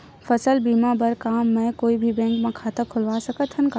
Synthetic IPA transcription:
fɐsəlbiːmabɐɾkaːmːɛ̃koːibʱibɛ̃ːŋkmẽkʰaːt̪akʰʊlʋaːsɐkət̪ɦənkaː

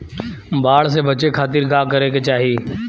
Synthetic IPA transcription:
baːɽsebət͡ʃekʰaːt̪ɪɾɡaːkəɾeket͡ʃaːɦiː

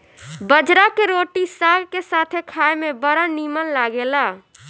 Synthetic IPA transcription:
bəd͡ʒɾakeɾoːʈisaːɡkesaːt̪ʰekʰaːemẽbəɾənimənlaːɡelaː

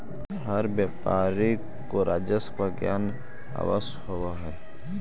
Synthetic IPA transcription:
ɦəɾbjaːpaːɾi | koɾaːd͡ʒəspaɡjaːn | a̰ːʋəshoʋaɦɛː

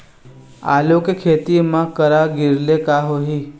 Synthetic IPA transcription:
a̰ljokekʰeːt̪imãkəɾaɡiɾlekaɦoɦi

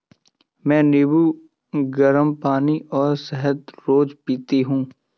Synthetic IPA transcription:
mɛ̃ːnɪbu | ɡəɾəmpaːniʔɔːɾsɛɦət̪ɾoːd͡ʒpiːt̪eɦũː

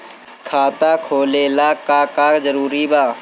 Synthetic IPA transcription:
kʰaːt̪akʰoːleːlaːkakaːzəɾuːɾibaː

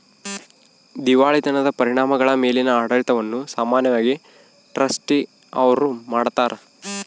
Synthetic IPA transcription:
d̪iʋaːɭit̪ɐnɐd̪ɐpɐɾiɳaːmɐɡɐɭɐmeːlinɐaːɽɐɭit̪ɐʋɐnːusaːmaːnjɐʋaːɡi | ʈɾɐsʈi | ɐ̰ʋɐɾumaːɽt̪aːɾe

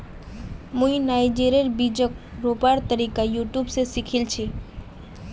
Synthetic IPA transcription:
mũinajd͡ʒeɾijəɾbid͡ʒək̚ɾopaɾt̪əɾikajuʈjubsesikʰilt͡ʃʰi

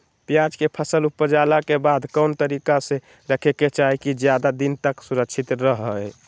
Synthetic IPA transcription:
pjad͡ʒkepʰəsəlupːəd͡ʒalakebad̪ʱkəʊnt̪əɾikase | ɾəkʰeket͡ʃaɦikid͡ʒjad̪ad̪int̪əksuɾəkʃʰit̪ɾəɦə

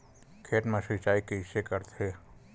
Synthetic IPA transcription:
kʰeːʈmẽʃɪt͡ʃaːikeɪʃekəɾt̪ʰeː

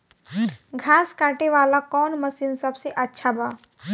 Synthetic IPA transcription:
ɡʱaːskaːʈeʋaːlakɔːnmɐsinsɐbseʔɐtːʃʰabaː

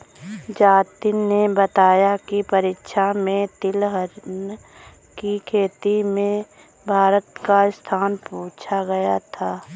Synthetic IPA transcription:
d͡ʒaːt̪inːebət̪aːjakipɐɾɪːkʃʰamẽt̪ɪlɦəɾn | kikʰeːt̪imẽ | bʱaːɾət̪kaɪst̪ʰaːnpuːt͡ʃʰaɡɐjat̪ʰaː

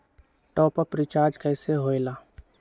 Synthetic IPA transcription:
ʈɔːpapɾit͡ʃaːɾd͡ʒkɛːseɦoːelaː

